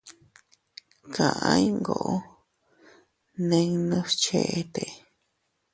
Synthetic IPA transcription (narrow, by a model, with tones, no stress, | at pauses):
kʰã˨ʔã˦i˦ŋɡo̰˨ʔo˦ | nẽ˧ŋnũ˦t͡ʃe˧ʔe˧t̪e˨